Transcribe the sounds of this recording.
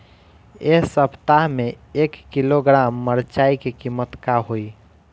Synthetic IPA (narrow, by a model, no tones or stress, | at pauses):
eɦsəbt̪aɦme | ekːiloɡɾamːəɾt͡ʃaikekimət̪kaɦoj